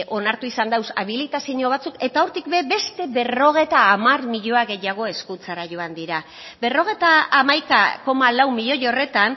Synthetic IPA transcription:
ʔo̞naɾt̪uisand̪awsa̰βilit̪asiɲoβat͡suke̞t̪ao̞ɾt̪ikbe̞be̞st̪e̞βe̞ro̞ɣ̞e̞jt̪aːmarmiʎo̞aɣe̞jaɣ̞o̞e̞skut͡saɾaʝo̞and̪iɾa | be̞ro̞ɣ̞e̞jt̪aːmajka̰ko̞malawmiʎo̞jo̞re̞t̪an

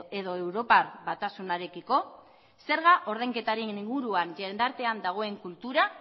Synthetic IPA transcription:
eðo̞e̞wɾo̞parβat̪asunaɾe̞kiko̞ | se̞ɾɣaʔo̞ɾð̞ejŋke̞t̪aɾeniŋɡuɾuanʎend̪aɾt̪e̞and̪aɣ̞o̞e̞ŋkult̪uɾa

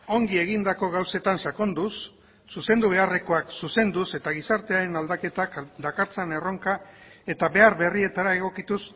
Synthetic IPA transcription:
o̞ŋɡie̞ɣ̞ind̪ako̞ɣ̞awse̞t̪ansako̞nd̪usː | use̞nd̪uβ̞e̞are̞ko̞aksuse̞nd̪use̞t̪aɣ̞isaɾt̪e̞aɾe̞nald̪ake̞t̪akd̪akaɾt͡sane̞ro̞ŋkae̞t̪aβe̞aɾβe̞rie̞t̪aɾae̞ɣ̞o̞kit̪us

